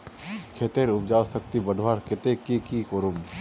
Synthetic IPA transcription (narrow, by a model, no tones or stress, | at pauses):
kʰet̪eɾʊp̚d͡ʒaːsɐk̚t̪ibəd̪ʱʋaːɾkɪt̪ekikikoɾum